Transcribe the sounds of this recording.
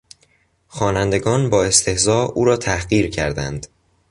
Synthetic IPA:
xɒːnænd̪e̞ɡɒːnbɒːe̞st̪ʰe̞hzɒːuːɾɒːt̪ʰæhɢiːɾcʰæɾd̪æ̰nd̪̥

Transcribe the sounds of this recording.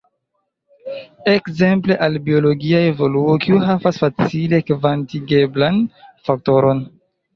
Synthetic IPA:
ekze̞mple̞ʔalbio̞lo̞ɡiaevo̞luokiuɦavasfat͡sile̞kvantiɡe̞blanfak̚to̞ɾo̞n

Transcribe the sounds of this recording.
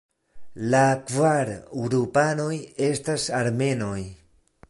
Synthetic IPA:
lakvaɾɾupano̞je̞stasaɾme̞no̞j

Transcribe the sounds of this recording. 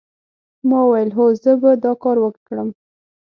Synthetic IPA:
mɑwajəlɦozəbad̪ɑkɑɾwəkkɽəm

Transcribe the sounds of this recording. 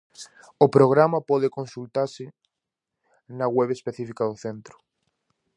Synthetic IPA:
ʊpɾoɣ̞ɾamapɔðekõnsult̪aɾsɪ | naɣweβespeθifikaðʊθent̪ɾʊ

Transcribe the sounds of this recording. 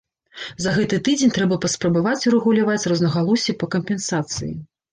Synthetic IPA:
zɐɣɛt̪ɨt̪ɨd͡zʲenʲt̪ɾɛbɐpɐspɾɐbavat͡sʲuɾɛɣulʲavat͡sʲrɔznɐɣalˠɔsʲipɐkɐmpʲɛnsat̪sɨ̰jḭ

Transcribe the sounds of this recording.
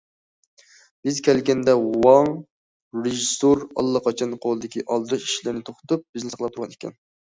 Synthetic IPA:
b̥ɪzkʲʰɛlɡʲɛnd̪ɛwɑŋ | ɾeʒisoɾɑ̰lˠːɑqʰɑt͡ʃʰɑnqʰolˠɨd̪ɪkʲiʔɑlˠd̪ɨɾɨʃi̥ʃlɪɾnɪt̪ʰoχt̪up̚b̥ɪznɪsqəlˠɑp̚t̪ʰuɾʁɑnekʲʰɛ̰n

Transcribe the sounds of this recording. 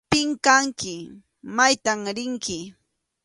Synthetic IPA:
pɪŋkaŋkɪ | majt̪amɾɪŋkɪ

